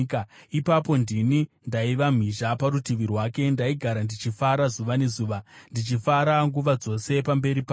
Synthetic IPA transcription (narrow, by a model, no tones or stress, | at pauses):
kaipapo̞ndinindaiʋam̤iʒapaɾutiʋirwaːke̞ndaiɡʱaɾandit͡ʃifaɾazuʋane̞zuːʋandit͡ʃifaɾaŋɡuʋad͡zo̞se̞pambe̞ɾipa